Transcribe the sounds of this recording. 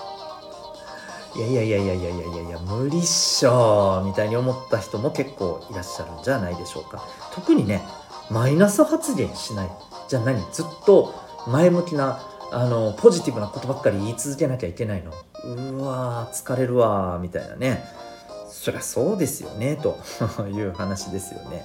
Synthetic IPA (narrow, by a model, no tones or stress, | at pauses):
jaijaijaijaijaijaija̰ijamɯ̟ɾʲiɕoːmʲit̪aiɲ̟io̞mo̞t̪ːaçi̥t̪o̞mo̞ke̞kːo̞̰ːiɾaɕːaɾɯ̟̃ɲ̟d͡ʑanaid̪e̞ɕo̞̰ːka̰ | t̪o̞kɯ̟ɲ̟ine̞ | mainasɨhat͡sɨɡẽ̞ɰ̃ɕinai | d͡ʑanaɲ̟id͡zɨt̪ːo̞ | maemɯ̟kʲinaː | no̞pʰo̞ʑit̪ʲibɯ̟nako̞t̪o̞bakːaɾʲiːt͡sɨzɨke̞nakʲaike̞naino̞ɯ̟at͡sɨ̥kaɾe̞ɾɯ̟βamʲit̪a̰ḭna̰ne̞ | so̞ɾe̞aso̞ːd̪e̞sɨjo̞̰ne̞t̪o̞̰jɯ̟ːhanaɕid̪e̞sɨjo̞̰ne̞̰